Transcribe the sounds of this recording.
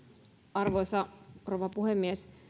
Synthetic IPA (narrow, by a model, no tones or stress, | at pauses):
ɑrʋojsɑroʋɑpuhemːies